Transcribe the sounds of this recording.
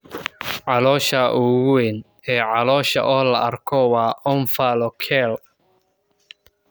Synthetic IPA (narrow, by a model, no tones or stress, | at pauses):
ʕɑlɔːʃɐʔʊɣʊwɛn | ɛːʕɑlɔːʃɐ̰ʔɔːlɐʔɐrkʰɔwɑːʔɔnfɐlɔkʰɛl